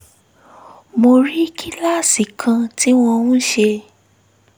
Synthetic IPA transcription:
mo˧ɾi˦kʰi˦la˦si˨kʰã˧ti˦w̃ɔ̃˧wũ˦ʃe˧

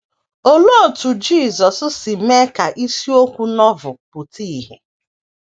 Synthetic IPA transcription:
o˦lo˦˨tu˨d͡ʒiː˦˨zɔ˨sʊ˦si˨me˦ka˨ʔi˦si˦o˦kʷu˦nɔ˦vʊ˨pʊ˨ti˦˨ɦe˨

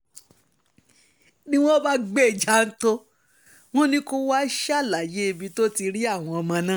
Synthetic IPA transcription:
nĩ˦w̃ɔ̃˦ba˦ɡ͡be˦˨d͡ʒa˨˦n̩˦to˦ | w̃ɔ̃˦nĩ˦ko˦wa˦ʃa˦˨la˨je˨˦e˧bĩ˧to˦ti˧ɾi˦a˦˨w̃ɔ̃˧ɔ˧mã˧nã˦

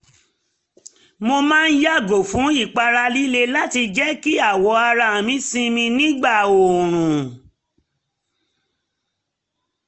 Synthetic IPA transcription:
mo˧mãː˦˧n̩˦ja˦˨ɡo˨fũ˨˦i˦˨k͡pa˧ɾa˧li˦le˧la˦ti˧d͡ʒɛ˦ki˦a˦˨wɔ˨˧˦a˧ɾa˧˨mĩ˦sĩ˧mĩ˧nĩ˦ɡ͡ba˦˨o˨ɾ̃ũ˨

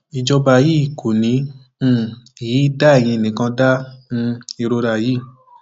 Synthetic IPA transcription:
i˨d͡ʒɔ˧ba˧˨ji˦˨kʰo˨nĩ˨˦˧ | i˨ji˨˦da˦ɛ˦˨j̃ĩ˧e˨nĩ˨kã˧da˦nũ˧i˧ɾo˧ɾa˧˨ji˦˨

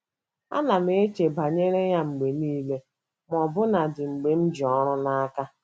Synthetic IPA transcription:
a̰˦na˨me˦t͡ʃe˨ba˨ɲe˦ɾe˦ja˦ŋ͡m̩˨ɡ͡be˨niː˦le˦ | m˨ɔ˨bʊ˦na˨dɪ˨ŋ͡m̩˨ɡ͡be˨m̩˦d͡ʒi˨ɔ˦ɾʊ˦na˦ka˦

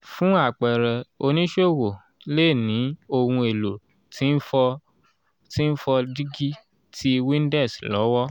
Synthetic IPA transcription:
fũ˦a˦˨k͡pɛ˨ɾɛ˨o˧nĩ˦ʃo˦˨wo˨ | le˦˨nĩ˨˦o˧hũ˧e˨lo˨ | ti˦n̩˦ɔ˧ | ti˦n̩˦fɔ˧di˦ɡi˦ | tʰi˦wĩ˦n˦dɛ˦˨slɔ̰˨˦wɔ˦

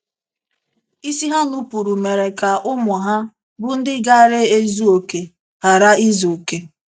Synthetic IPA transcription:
i˦si˦ɦa˦nu˦pu˨ɾu˨me˨ɾe˨ka˨ʔʊ˦mʊ˨ɦa˦ | bʊ˦n̩˦dɪ˦ɡa˦ɾe˦e˦zu˦o˨ke˨ | ha˨ɾa˦i˦zo˨ke˨

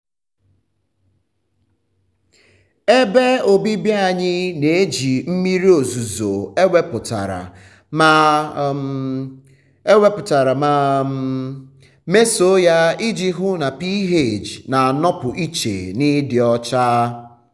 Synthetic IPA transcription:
e˦be˦o˨bi˦bi˦a˦˨ɲɪ˦ne˨e˦d͡ʒi˨m̩˦mi˦ɾi˦o˨zu˨zo˨e˦we˦pʊ˨ta̰˨ɾa̰˨ | ma˨ | e˦we˦pʊ˨ta˨ɾa˨ma˨ | me˦so˨˦ja˦i˦d͡ʒi˦ɦʊ˦na˨pi˦ɦe˦˨d͡ʒna˨a˨nɔ˦pʊ˨ʔi˦t͡ʃḛ˨nɪ˦dɪ˨ɔ˦t͡ʃa˦

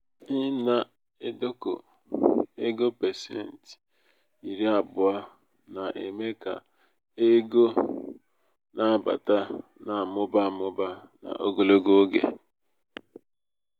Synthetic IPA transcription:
ɪ˦na˦ | e˦do˦ko̰˨ | e˦ɡo˦pe˨sḛ˦˨n̩˨t | i˨ɾi˦a˨bʊ˨a˦ | na˨ʔe˨me˦ka̰˨ | e˦ɡo˦ | nʔa˦˨ba̰˨ta˦na˨mʊ˦ba˦˨mʊ˦ba˦na̰˨ʔo˦ɡo˦˨lo˦ɡo˦ɡḛ˨

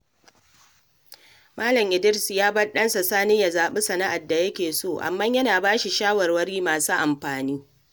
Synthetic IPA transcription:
maː˦lɐ˨mʔɪ˨dɪ˦ɾsjaː˦bɐ˦ɗɐ˦nsa˨saː˦nɪ˦jɐ˨zaː˨ɓe˦sɐ˨na˦ʔa˨dːa˨jɐ˦kʲeː˨soː˦˨ʔa̰˨mːɐ˦ɲjɐ˦naː˨baː˦ʃi˨ʃaː˦wɐ˨rwɐ˦ɽiː˦maː˨suː˦ʔa˨mɸaː˨niː˦

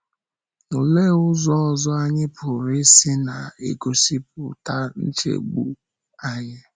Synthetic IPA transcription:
nʊ˨le˦˨ʊ˦zɔ˦ɔ˨zɔ˦a˦ɲɪ˦pʰʊ˨ɾɪ˦sɪ˦na˨ḛ˨ɡo˦si˦p̚ʊ˨ta˦n̩˦t͡ʃḛ˨ɡ͡bṵ˦ | a˦ɲɪ˦

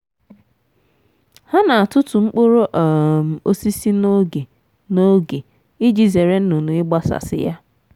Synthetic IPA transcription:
ha˦na˨a˨tʊ˦tʊ˨ŋ͡m̩˦k͡po˦ɾo˦ʔm̩˨o˦si˦si˦no˦ɡe˨ | no˦ɡe˨ | ɪ˦d͡ʒi˨ze˨ɾe˦n̩˦no˨nu˨ɪ˦ɡ͡ba˦sa̰˨sɪ̰˦ja˦

